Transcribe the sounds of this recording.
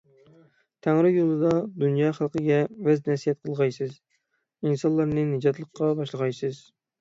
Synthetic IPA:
t̪ʰæŋɾɪjolˠɨd̪ɑd̪unjɑːχælˠqʰəɡʲɛvæznɛsijɛt̪̚qʰəlˠʁɑjsɨz | insɑlˠːɑɾnɨnɨd͡ʒɑt̪lˠəqʰːɑbɑʃlˠəʁɑjsɨz

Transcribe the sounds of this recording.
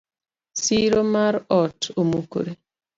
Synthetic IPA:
siɾomaɾɔtomuko̰ɾe

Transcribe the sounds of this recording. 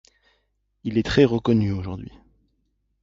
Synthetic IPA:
ilɛt̪χɛʁəkɔnyoʒuʁd̪ɥi

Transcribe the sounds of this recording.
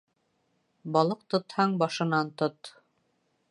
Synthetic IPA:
bɑlˠɤq̚t̪ŏt̪hɑɴbɑʃɤ̆nɑnt̪ot̪

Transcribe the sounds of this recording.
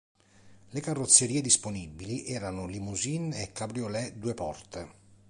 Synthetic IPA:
lekarːot̪sːeɾied̪isponibːiliʔɛːɾanʊlimuzinɛkːabɾjolɛd̪uːepɔrt̪e

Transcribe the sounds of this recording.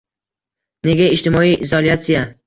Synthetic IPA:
ne̞ɡʲaɪʃt̪ɪmɒiʔɪzɒliat̪sija

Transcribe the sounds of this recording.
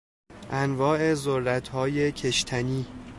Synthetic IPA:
ʔænvɒːe̞zorːæt̪ʰhɒːje̞cʰeʃt̪ʰæniː

